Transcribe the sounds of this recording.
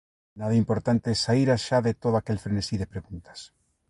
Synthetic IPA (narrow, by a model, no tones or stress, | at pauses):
naðaimpoɾt̪ant̪esaiɾaʃaðet̪oðoakelfɾenesiðepɾeɣunt̪ḁs